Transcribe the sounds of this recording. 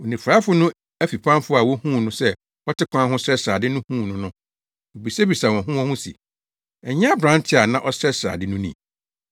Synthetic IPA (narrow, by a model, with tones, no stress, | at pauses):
o˨nĩ˨fɾa˦fʊ˦nʊ̃˦ | æ˦fi˨pʰã˦mfʊ˦a˨wɔ˦hũ˦˨nʊ̃˦sɛ˦ | ɔ˦tʰɪ˦kʷʰã˦ɦʊ̃˦sɛ˦sɾaː˨dɪ˦nʊ̃˦hũː˦˨nʊ̃˦nʊ̃˦ | o˨bi˨se˦bi˨sa˨wɔ̃˨ɦʊ̃˦ɔ̃˦hʊ̃˦sḭ˨ | ɛ˨ɲ˦ã˦bɾã˨˦n˦tʰɪ˦a˨nã˦˨ʔɔ˦sɾɛ˦sɾa̰˨dɪ˦nʊ̃˦nḭ̃˦˨